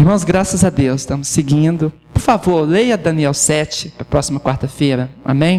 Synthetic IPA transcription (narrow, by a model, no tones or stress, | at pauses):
ɪhmɐ̃w̃zɡɾasɐzɐd̪ewsɪ̥ʃt̪ɐ̃mʊsːeɡĩd̪ʊ | pʊɾfavoɾlejɐd̪ɐ̃niɛwsɛt͡ʃɪpɾɐpɾɔsimɐkwaɾt̪ɐfejɾɐa̰mẽj̃